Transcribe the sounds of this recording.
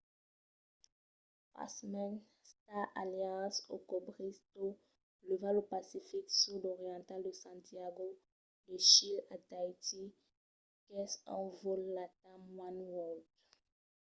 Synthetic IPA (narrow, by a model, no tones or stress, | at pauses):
pa̰smɛn | st̪aaljɑ̃so̰kɔbʁist̪o | ləvãlopasifiksud̪ɔʁjɑ̃t̪ald̪əsɑ̃t̪iaɡo | dəʃilat̪ajt̪i | kɛsɑ̰̃vɔlːat̪amwanwɔld